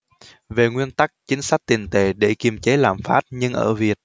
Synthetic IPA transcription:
ve˨˩ŋwi˧ənt̪a˦˥k̚t͡ɕï˨˦ŋ̟sa˦˥k̚t̪i˨˩ŋt̪e˧˩ɗe˧˩ki˨˩mt͡ɕe˨˦laː˨˩mfaː˦˥t̚ɲɨ˧ŋʔə̰ː˧˩vi˨˩ət̚

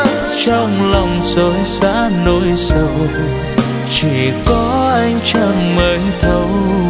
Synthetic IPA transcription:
t͡ɕɔ˧wŋ͡mlə˨˩wŋ͡mzo˨˦jsa̰ː˧˥no˧˦jsu˧˩ | t͡ɕi˧˩kɔ˨˦ʔa˧jŋ̟t͡ɕə˧˩nməː˨˦jt̪ʰə˧˦w

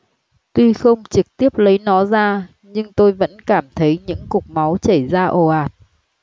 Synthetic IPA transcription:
t̪wi˧xə˧wŋ͡mt͡ɕɨ˨˩k̚t̪i˦˥əp̚lə˨˦jnɔ˨˦zaː˧ | ɲɨ˧ŋt̪o˧jvə̰˧˥nkaː˧˩mt̪ʰə˨˦jɲɨ̰˧˥ŋkʊ˨˩k͡p̚ma˨˦wt͡ɕə˧˩zaː˧ʔo˨˩ʔaː˨˩t̚

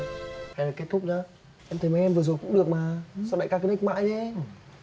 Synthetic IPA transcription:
aː˨˧˩laː˨˩ke˦˥t̚t̪ʰʊ˦˥k͡p̚a˧˦ | ʔɛ˧mt̪ʰə˨˩jm˨˦jʔɛ˧mvɨ˨˩zo˨˩jkʊ̰˧˥ŋ͡mɗɨ˨˩ək̚maː˨˩sɔ˧˦ɗa̰˧˨jkaː˧kə˧˦n˦˥k̚ma̰ː˧˨jɗe˨˦

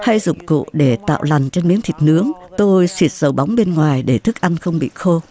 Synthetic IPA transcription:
ha˧jzʊ̰˧˨ŋ͡mkṵ˧˨ɗe˧˩t̪a̰ː˧˨wla˨˩ŋt͡ɕe˧nmḭ˨˦əŋt̪ʰi˨˩k̟̚nɨ˨˦əŋt̪o˧jswi˨˩ət̚zə˨˩wɓa˨˦wŋ͡mɓe˧nŋwaː˨˩jɗe˧˩t̪ʰɨ˦˥k̚ʔa˧nxə˧wŋ͡mɓḭ˧˨xo˧

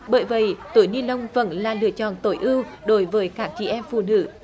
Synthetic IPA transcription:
ɓəː˧˨˩jvə̰˧˩˨jt̪u˨˩˦jni˧nlə˧wŋ͡mvə̰˧˩nlaː˨˩lɨ̰˧˨ət͡ɕɔ̰˧˨nt̪o˨˩jʔɨ˧wɗo˨˦jvəː˨˦jkaː˦˥k̚t͡ɕḭ˧˨ʔɛ˧mfṵ˧˨nɨ̰˧˥

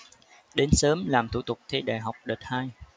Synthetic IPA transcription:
ɗe˨˦nsəː˨˦mlaː˨˩mt̪ʰṵ˧˩t̪ʊ˨˩k͡p̚t̪ʰi˧ɗa̰ː˧˨˩jɦa˨˩wk͡p̚ɗəː˨˩t̚haː˧j

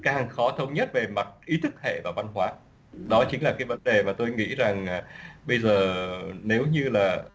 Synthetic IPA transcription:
kːa˦˨hŋxɔ˨˦t̪ʰə˧wŋ͡mɲə˦˥t̚ve˨˩ma˨˩t̚ʔi˨˦t̪ʰɨ˦˥k̚hḛ˧˨vaː˨˩va˧nɦwaː˨˦ | ɗɔ˨˦t͡ɕï˨˦ŋ̟laː˨˩kaː˨˦jvə˨˦nɗe˨˩maː˨˩t̪o˧jŋḭ˧˥za˨˩ŋː˨˩ɓə˧jzəː˨˩ne˨˦wɲɨ˧laː˨˩

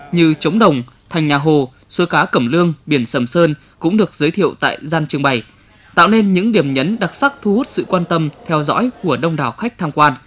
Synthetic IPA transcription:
ɲɨ˧t͡ɕə˨˦wŋ͡mɗə˨˩wŋ͡m | t̪ʰa˨˩jŋ̟ɲaː˨˩ɦo˨˩ | su˨˦jkaː˨˦kə˧˩mlɨ˧əŋɓi˧˩ənsə˧˩msəː˧n | kʊ̰˧˥ŋ͡mɗɨ˨˩ək̚zəː˨˦jt̪ʰḭ˧˨əwt̪a̰ː˧˨jzaː˧nt͡ɕɨ˧əŋɓa˨˩j | t̪a̰ː˧˨wne˧nɲɨ̰˧˥ŋɗi˧˩əmɲə˨˦nɗa˨˩t̚sa˦˥k̚t̪ʰu˧˦hu˦˥t̚sɨ̰˧˨kwaː˧nt̪ə˧mt̪ʰɛ˧wzɔ̰˧˥jku˧˩əɗə˧wŋ͡mɗaː˨˩wxa˦˥k̟̚t̪ʰaː˧mkwaː˧n

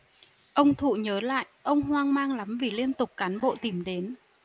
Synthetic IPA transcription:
ʔə˧wŋ͡mt̪ʰṵ˧˨ɲəː˨˦la̰ː˧˨jʔʔə˧wŋ͡mɦwaː˧ŋmaː˧ŋla˨˦mvi˨˩li˧ənt̪ʊ˨˩k͡p̚kaː˨˦nɓo̰˧˨t̪i˨˧˩mɗe˨˦n

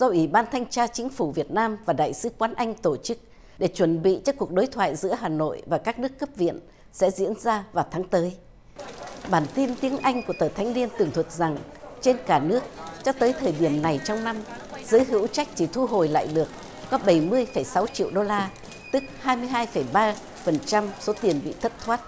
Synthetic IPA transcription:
z̥ɔ˧wʔi˧˩ɓaː˧nt̪ʰa˧jŋ̟t͡ɕaː˧t͡ɕï˨˦ŋ̟fu˧˩vi˨˩ət̚naː˧mvaː˨˩ɗa̰ː˧˨jsɨ˨˦kwaː˨˦nʔa˧jŋ̟t̪o˧˩t͡ɕɨ˦˥k̚ | ɗe˧˩t͡ɕwə˧˩nɓḭ˧˨t͡ɕɔ˧ku˨˩ək̚ɗo˨˦jt̪ʰwa̰ː˧˨jzɨ̰˧˥əɦaː˨˩no̰˧˨jvaː˨˩kaː˦˥k̚nɨ˦˥əkːə˦˥p̚vḭ˧˨ən | sɛ̰˧˥zḭ˧˥ənzaː˧vaː˨˩wt̪ʰaː˨˦ŋt̪əː˨˦j | ɓaː˨˩nt̪i˧nt̪i˨˦əŋʔa˧jŋ̟kət̪əː˧˨˩t̪ʰŋ̟li˧ənt̪ɨ˨˩əŋt̪ʰwə˨˩t̚za˨˩ŋt͡ɕe˧nkaː˧˩nɨ˦˥əkt͡ɕɔ˧t̪əː˨˦jt̪ʰəː˨˩jɗi˧˩əmna˨˩jt͡ɕɔ˧wŋ͡mna˧mz̥əː˨˦jɦɨ̰˧˥wt͡ɕa˦˥k̚t͡ɕ̪i˧˩t̪ʰu˧ɦo˨˩jla̰ː˧˨jɗɨ˨˩ək̚ː | ɔ˨˦ɓə˧˩jmɨ˧əjfə˧˩jsa˨˦wt͡ɕḭ˧˨əwɗo˧laː˧ | t̪ɨ˦˥k̚haː˧jmɨ˧əjɦaː˧jfə˧˩jɓaː˧ | fə˨˩nt͡ɕa˧mso˨˦t̪i˨˩ənɓḭ˧˨t̪ʰə˦˥t̚t̪ʰwaː˦˥t̚

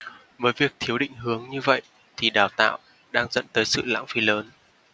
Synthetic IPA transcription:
vəː˨˦jvi˨˩ək̚t̪ʰi˨˦əwɗḭ̈˧˨ŋ̟ɦɨ˨˦əŋɲɨ˧və̰˧˨j | t̪ʰi˨˩ɗaː˨˩wt̪a̰ː˧˨w | ɗaː˧ŋzə̰˧˨nt̪əː˨˦jsɨ̰˧˨la̰ː˧˥ŋfi˨˦ləː˨˦n

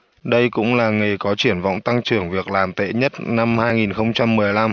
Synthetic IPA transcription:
ɗə˧jkʊ̰˧˥ŋ͡mlaː˨˩ŋe˨˩kɔ˨˦t͡ɕi˧˩ənva̰˧˨wŋ͡mt̪a˧ŋt͡ɕɨ˨˧˩əŋvi˨˩ək̚laː˨˩mt̪ḛ˧˨ɲə˦˥t̚na˧mhaː˧jŋi˨˩nxə˧wŋ͡mt͡ɕa˧mːɨ˨˩əjla˧m

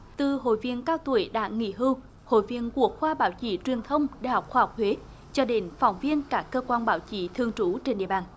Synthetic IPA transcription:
t̪ɨ˨˩ɦo̰˧˨jvi˧ənkaː˦˧wt̪u˧˩əjɗa̰ː˧˥ŋḭ˧˥ɦɨ˧w | ho̰˧˨jvi˧ənku˧˩ək̚xwaː˧ɓaː˨˦wt͡ɕi˧˦t͡ɕwi˨˩ənt̪ʰə˧wŋ͡mɗa̰˧˨hɔ˨˩k͡p̚xwaː˧˩hwk͡p̚hwe˨˦ | t͡ɕɔ˧ɗe˨˦nfɔ˨˧˩wŋ͡mvi˧ənkaː˦˥kːəː˧kwaː˧nɓaː˧˦wt͡ɕi˧˦t̪ʰɨ˧əŋt͡ɕu˧˨˦t͡ɕe˧nɗḭ˧˨əɓaː˧˩n

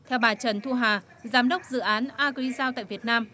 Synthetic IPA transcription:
t̪ʰɛ˧wɓaː˨˩t͡ɕə˨˩nt̪ʰu˧ɦaː˨˩ | zaː˨˦mɗə˦˥wk͡p̚zɨ̰˧˨ʔaː˨˦nʔaː˧ki˧zaː˧wt̪a̰ː˧˨jvi˨˩ət̚naː˧m

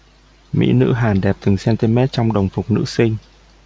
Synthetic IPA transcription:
mḭ˧˥nɨ̰˧˥ɦaː˨˩nɗɛ˨˩p̚t̪ɨ˨˩ŋsɛ˧nt̪i˧mɛ˦˥t̚t͡ɕɔ˧wŋ͡mɗə˨˩wŋ͡mfʊ˨˩k͡p̚nɨ̰˧˥sï˧ŋ̟

